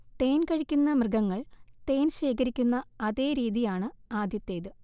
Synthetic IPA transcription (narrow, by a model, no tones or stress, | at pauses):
t̪e̞ːnkɐɻikʲːunːɐmrɨɡɐŋːɐɭt̪e̞ːnɕe̞ːkɐɾikʲːunːɐɐðe̞ːɾiːðijaːɳɨaːd̪jɐt̪ːe̞ːðɨ